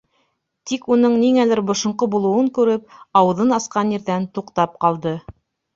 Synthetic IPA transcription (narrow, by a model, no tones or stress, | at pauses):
t̪ikunɤɴniŋælɘɾbŏʃŏɴqobulˠɤ̆wɤŋkʉɾɘp̚ɑwɤ̆ðɤnɑsqɑnjɘ̆ɾðænt̪uqt̪ɑp̚qɑlˠd̪ɤ